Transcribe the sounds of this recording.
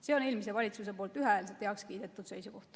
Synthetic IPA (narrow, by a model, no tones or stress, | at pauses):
seoneːlmise̞vɑlʲit̪sus̬e̞poːlt̪ˑyɦeeːls̬et̪heɑkskiːd̪̥e̞t̪ˑːud̪̥sejsuko̞ht̪